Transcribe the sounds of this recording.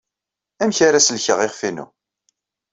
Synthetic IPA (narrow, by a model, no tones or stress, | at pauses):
æmçaɾæslçəʁeʁfinṵ